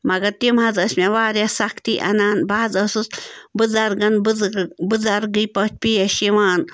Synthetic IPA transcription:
mɐɡɐɾt̪imɦɐzɐsmʲeʋaːɾjasɐkʰt̪iʔɐ̰naːnbaːzɐsusbɨzɐɾɡɐnbbɨzɐɾɡɨpɐt͡ʃ̚pijɐʃiʋaːn

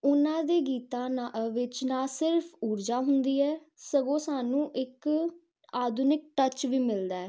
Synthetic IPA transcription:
ʊnãːd̪eːɡiːt̪ãːnaʔʋɪt͡ʃnãːsɪɾfʰuːɾd͡ʒaːɦʊnd̪iːɛː | səɡõːsaːnũːʔɪk | aːd̪ʊnɪk̚ʈət͡ʃʋiːmɪld̪aːɛː

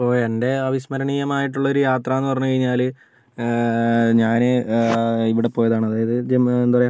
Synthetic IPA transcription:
ɐpoːende̞ɐʋiɕmɐɾɐɳijɐmaːjiʈ̬ːuɭːɐoɾujaːt̪rɐːenːupɐrɐɲːukɐɻiɲːaːl | ɲaːnɨ | iʋiɽe̞poːjɐðaːɳɨɐðaːjɐðɨd͡ʑeend̪uʋrɐja

